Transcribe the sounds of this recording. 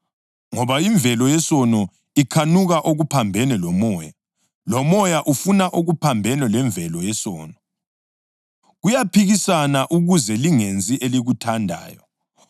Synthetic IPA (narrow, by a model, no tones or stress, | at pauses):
ŋɔβaiɱb̪vʱɛlɔjɛsɔnɔ | ikʰanuɣaʔoɣupʰambʱɛnɛlɔmɔːja | lɔmɔjaʔufunaʔoɣupʰambʱɛnɛlɛɱvʱɛlɔjɛsɔ̰ːnɔ | ɣujapʰiɣisanaʔuɣuzɛliŋend͡zʼiʔeliɣutʰandʱa̰ːjɔ